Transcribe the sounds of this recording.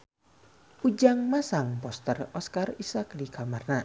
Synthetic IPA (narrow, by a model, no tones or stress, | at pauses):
ud͡ʒaŋmasaŋpɔst̪ərɔskarisakdikamarna